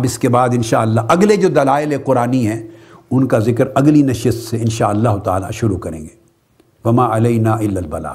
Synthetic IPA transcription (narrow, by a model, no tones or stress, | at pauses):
bɪskebaːd̪ɪ̃nʃaːɐlːaɦʔɐɡled͡ʒoːd̪ɐlaːɪleqʊɾaːniɦɛ̃ʊnkazɪkəɾɐɡlinɐʃəst̪seɪnʃaːɐlːaːɦʊt̪a̰ːla̰ʃʊɾukɐɾḛ̃ːɡeː | ʋɐmaːɐlɐɪnaːʔɪlːalbɐla̰ː